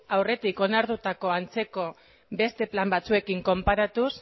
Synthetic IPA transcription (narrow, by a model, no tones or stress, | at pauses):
awre̞t̪iko̞naɾðut̪ako̞ant͡se̞ko̞ | be̞st̪e̞plambat͡sue̞kiŋko̞mpaɾat̪us